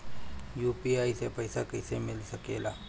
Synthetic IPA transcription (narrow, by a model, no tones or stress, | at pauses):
juːpiaːisepɐɪsakəɪsemɪlsəkeːlaː